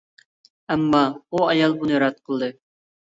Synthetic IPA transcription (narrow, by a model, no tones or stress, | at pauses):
æmːɑuɑjɑlˠbunɨjɾɑt̪̚qʰəlˠd̪ɨ